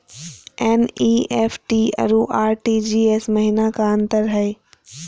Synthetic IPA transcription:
ɛːniːeːfʰʈiːɐ̰ɾuʔaːɾʈiːd͡ʒiːeːsmɐɦɪnakaɐ̃nt̪əɾɦɛː

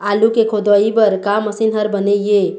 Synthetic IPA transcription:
alukekʰod̪ɔibəɾkaməsinɦəɾbəneje

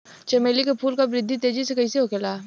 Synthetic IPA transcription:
t͡ʃɐmeːlikepʰuːlkabɾɪd̪ʱːit̪eːd͡ʒisekɐiseɦokelaː

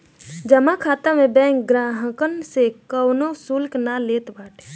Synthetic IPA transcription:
d͡ʒəmakʰaːt̪amẽbɛ̃ːŋk̚ɡɾaːɦəkənsekəwnosʊlknaleːt̪baːʈʰe̥

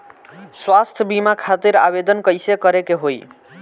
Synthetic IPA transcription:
swast̪ʰəbimakʰat̪iɾa̰bed̪ənkəjsekəɾekeɦoj

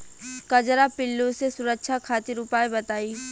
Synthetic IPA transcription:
kɐd͡ʒɾapɪlːõsesʊɾəkʃʰakʰaːt̪ɪɾʊpaːebɐt̪aːiː

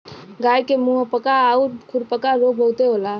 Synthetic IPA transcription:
ɡajkemuɦəpəkaːuɾkʰuɾpəkaɾobʱəwt̪eɦola

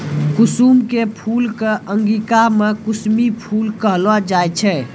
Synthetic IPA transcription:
kʊsuːmkepʰuːlkeʔə̃ŋɡikamekʊsmipʰuːlkəɦlad͡ʒaːjt͡ʃʰɛ

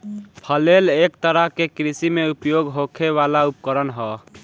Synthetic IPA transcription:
pʰəlelek̚t̪əɾəɦkekɾisimeupjoɡɦokʰeʋalaup̚kəɾənɦə

